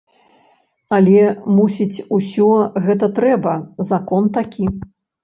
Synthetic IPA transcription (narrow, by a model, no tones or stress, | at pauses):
ɐlʲɛmusʲit͡sʲusʲɔɣɛt̪ɐt̪ɾɛbɐzakɔnt̪akʲi